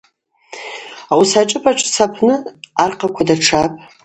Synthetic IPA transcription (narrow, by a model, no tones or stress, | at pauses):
awsaʈ͡ʂʼɨpʼaʈ͡ʂʼsʰapʰnɨarqʰakʷʰadaʈ͡ʂʰapʼ